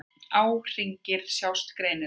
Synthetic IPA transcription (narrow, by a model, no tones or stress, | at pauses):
aːwr̥iɲcɪɾ̥sjawst̪kɾeːjnɪ